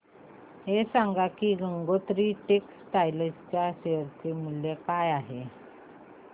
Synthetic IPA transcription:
ɦesaŋɡakiːɡəŋɡot̪ɾiːʈeksʈ̪ajləst͡ɕjaɕeəɾt͡semuljekajaɦe

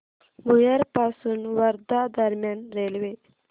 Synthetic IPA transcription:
mujɐɾpaːsunwɐɾd̪ad̪ɐɾmjaːnɾelwe

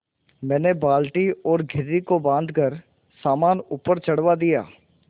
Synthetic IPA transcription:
mɛ̃ːnebaːlʈiɔːɾɡʱɪɾːikobãːnd̪ʱkəɾ | saːmaːnuːpəɾt͡ʃɐɽʋad̪ija̰ː

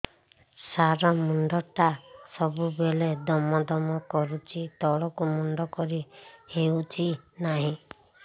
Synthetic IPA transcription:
saɾɔmuɳɖɔʈasɔbubeled̪ɔmɔd̪ɔmɔkɔɾut͡ʃʰit̪ɔɭɔkumuɳɖɔkɔɾiheut͡ʃʰinaɦĩ

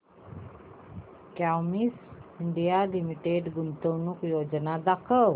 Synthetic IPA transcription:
kawmiːsiɳɖijalimiʈeɖɡunt̪əwnuːkjod͡ʑnad̪akʰəw

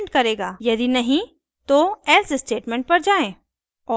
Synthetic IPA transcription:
ɳʈkɐɾeːɡaːjɐd̪inɐɦĩ | t̪oɛːsɪsʈeːʈmɛ̃ɳʈ̚pɐɾd͡ʒaːẽː | ɔː

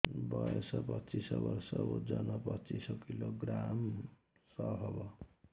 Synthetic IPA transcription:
bʌjesʌpʌtt͡sisʌbʌrsʌud͡zʌnʌpʌt͡sisɔkiloɡɾam | sʌɦʌbʌ

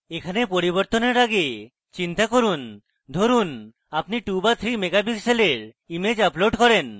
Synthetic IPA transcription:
ekʰanepoɾiβoɾt̪oneɾaɡe | t͡ɕint̪akoɾun | d̪ʱoɾun | apniʈubat̪ʰɾimeɡabikseleɾ | imed͡ʑaploɖkɔɾen

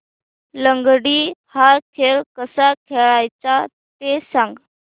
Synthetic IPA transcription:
ləŋɡɽiːhaɾkʰeɭkəsakʰeɭajt͡sa | t̪esãŋɡ

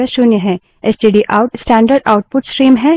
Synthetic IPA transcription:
əʃʊnjəɦɛ̃ | ɛsʈiɖiʔaʊʈsʈɛ̃ːɳɖəɾɖa̰ʊʈ̚pʊʈsʈɾiːmɦɛ

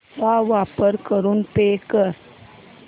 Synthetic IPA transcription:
aʋapəɾkəɾuːnpekəɾ

